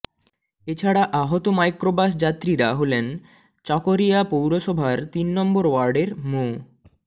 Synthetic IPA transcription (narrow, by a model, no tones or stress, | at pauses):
et͡ɕʰaɽaʔaɦot̪omajkɾobaʃ̬d͡ʑat̪ːɾiɾaɦolen | t͡ɕɔkoɾijapowɾoʃɔbʱaɾt̪inːɔmboɾwaɾɖeɾmo